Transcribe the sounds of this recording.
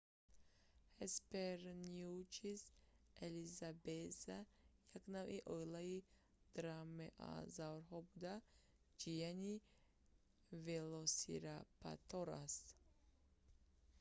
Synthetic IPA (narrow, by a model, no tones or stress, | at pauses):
hespeɾniut͡ʃizelizabezajaknavʔiʔojlai | d̪̥ɾameʔa̰zawɾɦɔbud̪a | d͡ʒijani | velosḭɾapa̰t̪oɾas